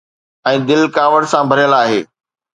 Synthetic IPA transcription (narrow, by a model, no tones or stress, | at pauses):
ɛ̃ːd̪ɪlkaːʋəɽsãbʱɐɾjəlaːɦeː